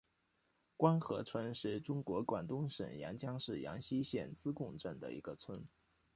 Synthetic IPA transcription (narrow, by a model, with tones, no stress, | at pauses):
kwa˥nxɤ̰˧˥t͡sʰwə˥nʂɻ̩˥˩ʈ͡ʂʊ˥ŋkwɔ˧˥kwa̰˨˩nt̪ʊ˥ŋʂə̰˨˩njɑ̰˧˥ŋt͡ɕjɑ˥ŋʂɻ̩˥˩jɑ̰˧˥ŋɕi˥ɕjɛ̰˥˩nt͡sɹ̩˥kʊ˥˧ŋʈ͡ʂə˥˩nd̪ə̰˩ḭ˧˥ɡə˧t͡sʰwə˥n